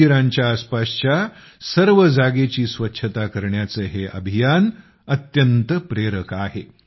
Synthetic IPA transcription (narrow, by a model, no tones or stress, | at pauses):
iɾãɲt͡ɕjaːspast͡ɕja | səɾʋəd͡zaɡet͡ɕiːsʋətːɕʰət̪akəɾɳjat͡səɦeʔə̰bʱijan | ət̪jənt̪əpɾeɾəkaɦe